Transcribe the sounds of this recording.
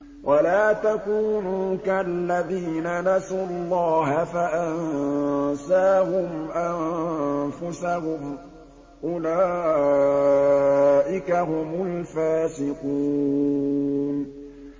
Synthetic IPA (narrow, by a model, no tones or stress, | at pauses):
wʔalaːt̪akuːnuːkallːaðiːnanasuːlˤːɑːɦafaʔan | saːɦʊmʔanfʊsahʊm | ʔʊlaː | ʔɪkaɦʊmʊlfaːsɪquː | n